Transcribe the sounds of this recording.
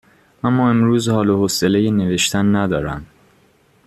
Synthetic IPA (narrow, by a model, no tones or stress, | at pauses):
ʔæmːɒːe̞mɾuːzhɒːlohosele̞jene̞ve̞ʃt̪ʰænːæd̪ɒːɾæ̰m